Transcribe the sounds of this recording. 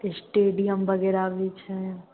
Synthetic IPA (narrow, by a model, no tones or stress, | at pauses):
esʈeɖijəmʋəɡɛɾaʋit͡ʃʰe